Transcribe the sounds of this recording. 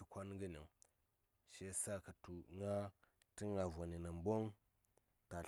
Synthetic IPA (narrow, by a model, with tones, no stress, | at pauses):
u˨kʷa˦n˦ŋɡə˦ni˨ŋ | ʃe˦sa˦ka˨tu˨ŋa˦ | ti˦ŋa˨va˨ni˨na˨m˦bo˦ŋ | ta˨